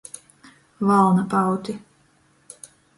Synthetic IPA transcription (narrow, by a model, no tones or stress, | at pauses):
valˠnapawt̪ʲi